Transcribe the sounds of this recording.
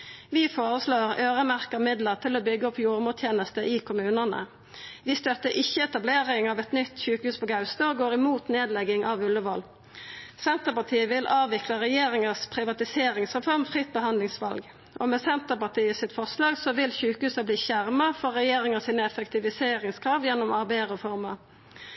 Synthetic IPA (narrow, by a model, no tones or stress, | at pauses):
ʋiːfoːʁəsloːʁøːʁəmæʁkəʁmɪd̪ləʁt̪ʰɪloːbʏɡːəɔpjuːʁmuːt̪ʰjeːnəst̪əʔɪkʰʊmʉːnənə̰ | ʋɪːst̪œt̪ːəɾʔɪçəɛt̪ɑbleːʁɪŋɑːʋɛt̪nʏt̪ːçʉːkəhʉːspʰoɡɑʉst̪oːɡoːʁɪmuːt̪neːd̪lɛɡɪŋʔɑʋʉlːəʋɔl | sɛnt̪əpɑt̪ʰiːəʋɪlʔɑːʋʋɪkləʁɛjeːʁɪŋəspʰʁɪʋɑt̪ɪseːʁɪŋsʁɛfɔʁmfʁɪt̪̚bəhɑnd̪lɪŋsʋɑlɡ | ʔomɛːsɛnt̪əpɑt̪ʰiːəsɪt̪fɔʁslɑːɡsɔʋɪlçʉːkəhʉːsɑbliːçæʁməfɔʁːɛjeːɾɪŋəsiːnəɛfɛkt̪ʰɪʋɪseːʁɪŋskʰʁɑːʋjɛnːɔmɑʁbæɪəʁɔfɔʁmɑ